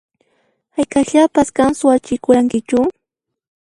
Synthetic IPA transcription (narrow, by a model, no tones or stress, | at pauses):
hajkaʎapaskansʊwat͡ʃɪkʊɾaŋkɪt͡ʃʊ